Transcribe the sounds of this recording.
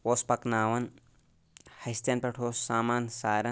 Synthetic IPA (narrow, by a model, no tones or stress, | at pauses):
woːspɐknaːʋɐn | hɐst̪jɐnpɐʈʰoːsaːmaːnsaːɾɐ